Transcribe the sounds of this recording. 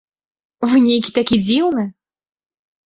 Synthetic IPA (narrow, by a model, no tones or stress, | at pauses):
vɨnʲejkʲi̥t̪akʲid͡zʲiwnɨ